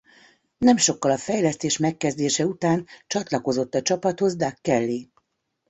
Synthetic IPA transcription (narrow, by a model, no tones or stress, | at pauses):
nɛmʃo̞kːɒlɒfɛjlɛst̪eːʃmɛkːɛzd̪eːʃɛut̪aːnt͡ʃɒt̪lɒko̞zo̞t̪ːɒt͡ʃɒpɒt̪ho̞zd̪akːɛlːi